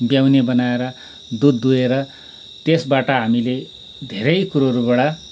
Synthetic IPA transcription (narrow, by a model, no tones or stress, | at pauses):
bjawnebʌnaeɾʌ | d̪ud̪ːueɾʌ | t̪esbaʈʌɦamile | d̪ʱeɾʌjkuɾʌɾubaɽa